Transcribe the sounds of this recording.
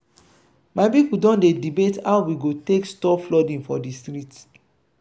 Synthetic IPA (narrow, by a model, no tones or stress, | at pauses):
maɪpipudɔ̃ndedibetawwiɡotekstɔflɔdĩŋfɔdistɾit